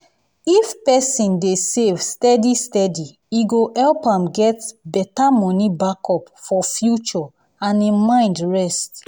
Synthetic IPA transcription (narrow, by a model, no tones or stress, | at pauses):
ifpɛsĩndesevstɛdistɛdi | iɡohɛlpãmɡɛtbɛtamɔ̃nibakɔpfɔfjut͡ʃɔ | ãnĩmãɪ̃ndɹɛst